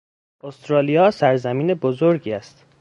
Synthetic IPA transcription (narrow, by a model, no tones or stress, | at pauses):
ʔost̪ɾɒːlijɒːsæɾzæmiːne̞bozoɾɟiːæst̪